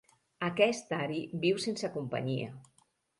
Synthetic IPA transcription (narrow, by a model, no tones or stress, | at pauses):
akɛst̪aɾibiwsensəkumpə̰ɲiə̰